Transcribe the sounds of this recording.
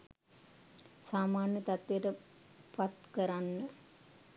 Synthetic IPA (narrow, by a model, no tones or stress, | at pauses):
saːmaːnjət̪at̪ʋeʈə | pat̪kəɾanːə